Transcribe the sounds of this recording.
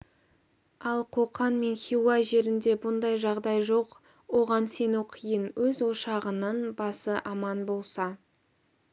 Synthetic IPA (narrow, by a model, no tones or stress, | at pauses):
ɑlˠqʰoqɑnme̞nχʲiwɑʒe̞ɾɪnd̪e̞bʊnd̪ɑjʒɑʁd̪ɑjʒoq | wo̞ʁɑnse̞nuqʰijənwɵzwo̞ʃɑʁənənbɑsəʔɑmɑnbo̞lˠsɑ